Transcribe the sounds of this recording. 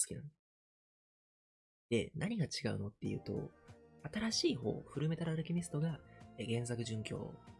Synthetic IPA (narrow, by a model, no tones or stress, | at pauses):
sɨ̥kʲinã̰n | d̪̥e̞nʔaɲ̟iɡat͡ɕiɡaɯ̟no̞t̪ːe̞jɯ̟̰ːt̪o̞̰at̪aɾaɕiːɦo̞̰ːɸɯ̟ɾɯ̟me̞t̪aɾːɾɯ̟kʲimʲisɨ̥t̪o̞ɡaeɡẽ̞ɰsakɯ̟ʑɨ̃ŋkʲo̞̰ː